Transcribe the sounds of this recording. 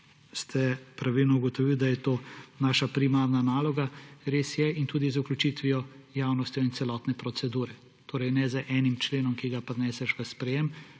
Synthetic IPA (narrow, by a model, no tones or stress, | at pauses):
st̪ʰɛpɾaʋilnɔuɡɔt̪ɔʋild̪ajɛt̪oːnaːʃapɾimaːɾnanaːlɔɡaɾeːsjɛint̪uːd̪izuklut͡ʃit̪ʋiɔjaːwnɔst̪jɔint̪sɛlɔt̪nɛpɾɔt̪sɛd̪uːɾɛ | t̪oːɾɛjnɛzəʔɛːnimt͡ʃleːnɔmkiɡapɾɛnɛːsɛʃʋasːpɾɛjem